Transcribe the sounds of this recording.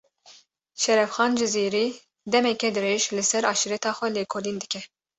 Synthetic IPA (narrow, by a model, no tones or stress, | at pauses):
ʃɛɾɛfxɑːnd͡ʒɨziːɾiː | d̪ɛmɛkɛd̪ɨɾeːʒlɨsɛɾɑːʃiɾɛt̪ʰɑːxʷɛleːkʰoːliːnd̪ɨkʲʰɛ